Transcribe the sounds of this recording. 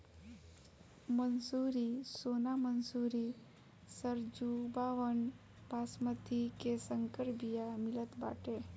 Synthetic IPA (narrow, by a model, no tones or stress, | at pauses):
mənsuɾisonamənsuɾi | səɾd͡ʒubaːʋən | bʱasmət̪ʰikesəŋkəɾbijamɪlət̪ba̰ːʈe